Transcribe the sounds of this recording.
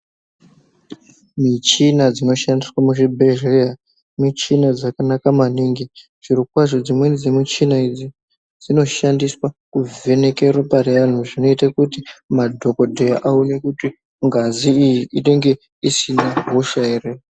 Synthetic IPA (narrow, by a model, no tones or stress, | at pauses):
mit͡ʃinad͡zino̞ʃandiswamuʐibʱeʒia | mit͡ʃinad͡zakanakamaniːŋɡi | ʐirukwaʐod͡zimwend͡zimut͡ʃinaid͡zi | d͡zino̞ʃandiswakuve̞ne̞ke̞roparejan̤uʐino̞itakutimadʱo̞kodʱejaʔaune̞kuti | ŋɡaziijiʔiɗe̞ŋɡe̞ | isinaɦoʃaire